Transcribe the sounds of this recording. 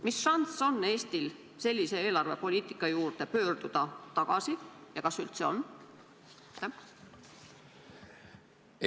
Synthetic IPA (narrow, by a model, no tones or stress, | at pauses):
misʃɑnso̞nːe̞ːst̪il | se̞lʲːise̞eːlɑrve̞po̞lʲiːt̪ˑikˑːɑjuːrt̪e̞pø̞ːrd̪̥ud̪̥ɑt̪ɑɡ̥ɑsijɑkɑsylt̪se̞o̞̰n | t̪ːe